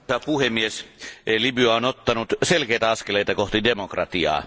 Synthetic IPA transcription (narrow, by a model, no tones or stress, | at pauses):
ɑpuhemːieslibyɑonot̪ːɑnut̪selkeit̪æɑskeleit̪ɑkoht̪idemokrɑt̪iɑ̰ː